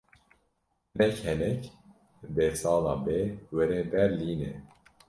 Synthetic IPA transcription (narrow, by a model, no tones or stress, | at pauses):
nɛkhɛnɛk | besɑːlɑːbewɛɾeːbɛɾliːnɛ